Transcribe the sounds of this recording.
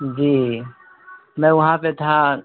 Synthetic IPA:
d͡ʒiː | mɛ̃ʊɦãpet̪ʰa

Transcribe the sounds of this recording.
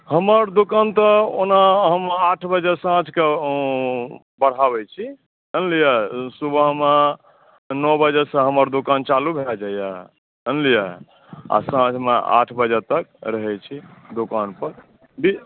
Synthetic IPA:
həməɾd̪okant̪əo̰naɦəmːʈʰbəd͡ʒɛsãd͡ʒʰke | bəɽ̤abɛt͡ʃʰi | ənlijasubʱəɦma | nɔbəd͡ʒəsə̃ɦəməɾd̪okant͡ʃalubʱelad͡ʒajaɦ | ənlijaɦ | a̰sãt͡ʃmea̰ʈʰbəd͡ʒət̪ək̚ɾəɦɛt͡ʃʰid̪okanpəɾ | bi

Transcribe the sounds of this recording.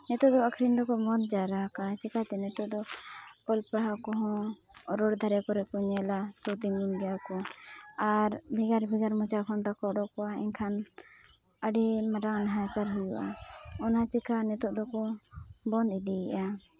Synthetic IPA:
nɛt̪ɔʔd̪ɔakʰɾind̪ɔkɔbɔnd̪̚d͡ʒaɾaɦkat͡ʃikat̪ɛnɛt̪ɔʔd̪ɔ | pɔlpaɦakɔɦɔ̃ | ɾɔɽd̪ʱaɾɛkɔɾɛkɔɲɛlat̪ɔt̪imɡunɡɛjakɔ | aɾbʱiɡaɾbʱiɡaɾmɔ̃t͡ʃakʰɔnt̪akɔɖɔkɔaɛɲkʰan | əɖɛmaɾanɦat͡ʃaɾɦujṵʔa̰ɔnat͡ʃikʰanɛt̪ɔʔd̪ɔkɔbɔnd̪id̪iɛʔa

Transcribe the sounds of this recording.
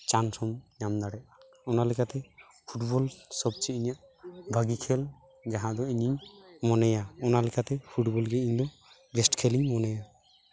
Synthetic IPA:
t͡ʃansɔmɲamd̪aɽɛʔ | ɔnalɛkat̪ɛ | pʰuʈbɔlsɔb̚t͡ʃiiɲijaʔ | bʱaɡikʰɛl | d͡ʒaɦãd̪ɔiɲiɲmɔnɛjaɔnalɛkat̪ɛpʰuʈbɔlɡɛiɲd̪ɔ | ɡesʈkʰeliɲmɔnɛja

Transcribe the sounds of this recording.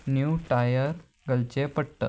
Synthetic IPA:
njuʈajəɾ | ɡəlt͡ɕepəɽt̪ə̰

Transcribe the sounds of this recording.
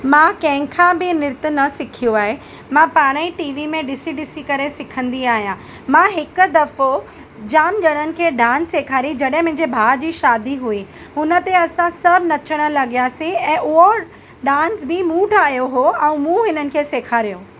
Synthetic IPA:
mãːkɐ̃ɦɪ̃kʰãbɪnɪɾt̪ʊ̆nɐsɪkʰijoaːɦe | mãpaːɽ̃iʈiːʋimẽɗɪsiɗɪsikɐɾesɪkʰə̃nd̪iaːɦijã | mãɦɪkʊd̪ɐfo | d͡ʑaːmd͡ʑɐɽ̃ənɪ̆kʰeːɖãːnseːkʰaːɾid͡ʑɐɗɦɪ̃mʊ̃ɦɪ̃ɲd͡ʑebʱaːd͡ʑiːʃaːd̪iɦui | ɦʊnə̆t̪eɐsãsɐbʱnɐt͡ɕʰəɽ̃ə̆lɐɠijaːsĩɛ̃ːʔʊɦo | ɖaːnsbɪmũːʈʰaːɦijoɦoɛ̃ũmũɦɪnənɪ̆kʰeːseːkʰaːɾijõː

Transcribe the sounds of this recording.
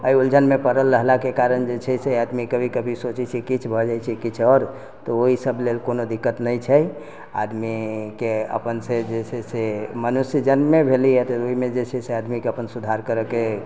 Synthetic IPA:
əiuld͡ʒʱənmepəɾəlːəɦlakekaɾənd͡ʒet͡ʃʰɛsead̪mikəbʱikəbʱisot͡ʃɛt͡ʃʰɛkit͡ʃʰbʱɔd͡ʒajt͡ʃʰɛkit͡ʃʰɔɾ | t̪ɔoɦisəblelkonod̪ikːət̪nəjt͡ʃʰɛj | a̰d̪mikeə̰pənsed͡ʒet͡ʃʰɛsemənusd͡ʒənmebʱeliɛt̪ɔoimed͡ʒet͡ʃʰɛsead̪mikeəpənsud̪ʱaɾkəɾəke

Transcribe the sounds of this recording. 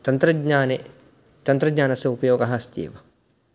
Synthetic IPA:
t̪ɐnt̪ɾɐdɲaːne | t̪ɐnt̪ɾɐɡɲaːnɐsɐupɐjoːɡaɦast̪ḭḛʋɐ

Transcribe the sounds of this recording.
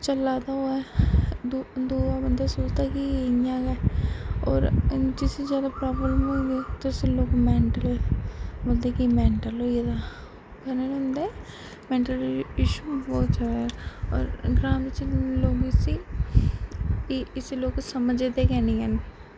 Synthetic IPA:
t͡ʃəlaːd̪aoːɛd̪d̪uːabənd̪aːsoːt͡ʃt̪aːkijaːɡa | ɔ̰ːɾd͡ʒɪsed͡ʒjaːd̪apɾaːblələmoːiɡ̪eːt̪oɪseloːkmɛːɳʈəlɛːbold̪eːkimɛ̃ːɳʈəloːied̪a | kənənɦʊ̃nd̪eː | mɛ̃ːɳʈəlɪʃubɔːt̪d͡ʒaːd̪ɔ̰ːɾɡɾaːɪt͡ʃloːɡɪsi | iɪseloːksəməd͡ʒed̪ekɛːniən

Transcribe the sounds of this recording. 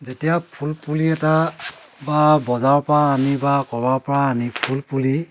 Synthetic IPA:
zetijapʰulpuliɛta | babɔzaɹɔpɔɹaːnibakɔbaɹpɔɹaːnipʰulpuli

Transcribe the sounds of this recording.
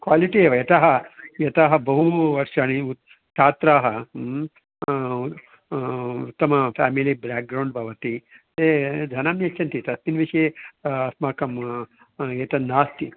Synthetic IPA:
kʋaːliʈieːʋɐjɐt̪ɐɦɐjɐt̪aːɦɐbɐɦuʋɐɾʂaːniu | t͡ʃʰaːt̪ɾaːɦɐ | t̪ːɐmɐpʰæːmilibɾaːk̚ɡɾɐwɳɖ̚bʱɐʋɐt̪it̪ed̪ʱɐnaːmjɐt͡ʃʰːɐnt̪it̪ɐt̪minʋiʂeɐsmaːkɐm | eːt̪ɐnːaːst̪i

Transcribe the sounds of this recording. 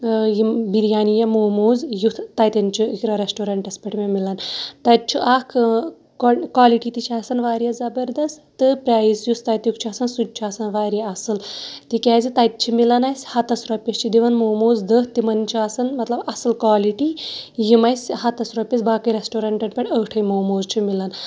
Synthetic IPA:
jibiɾjaːnijɐmoːmoːzjut̪ʰt̪ɐjt̪ɐnʲt͡ʃʰuikɾɐɾesʈoːɾɐɳʈɐspɐʈmʲemilɐnt̪ɐt͡ʃʰuʔakʰ | kkwaːliʈiːt̪it͡ʃʰaːsɐnʋaːɾjɐzɐbɐɾd̪ɐst̪t̪ɨpɾʲaːjisjust̪ɐjt̪jukt͡ʃʰuasɐnsud̪̚ʲt͡ʃʰuaːsɐnʋaːɾjaɐsɨlt̪ikʲaːzit̪ɐjt̪̚t͡ʃʰimilɐnɐjsʲhɐt̪ɐsɾɐpʲːest͡ʃʰid̪iʋɐnmoːmoːzd̪ətt̪imɐnt͡ʃʰiasɐnmɐt̪lɐbɐsɨlkʋaːliʈijimɐjsʲhɐt̪ɐsɾɔpʲesbaːkɐɾesʈoːɾɐɳʈɐʈpʲɐʈʰʲəːʈʰɐjmoːmoːzt͡ʃʰimilɐn

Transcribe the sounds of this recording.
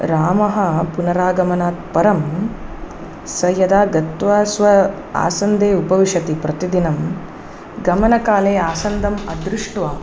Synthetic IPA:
ɾaːmɐɦɐpunɐɾaːɡɐmɐnaːt̪̚pɐɾɐm | sɐjɐd̪aːɡɐt̪ʋɐsʋɐ | a̰ːsɐnd̪eːupɐʋiʃɐt̪ipɾɐt̪id̪inɐm | ɡɐmɐnɐkaːleːaːsɐnd̪ʱɐmɐd̪ɾiʂʈʋaː

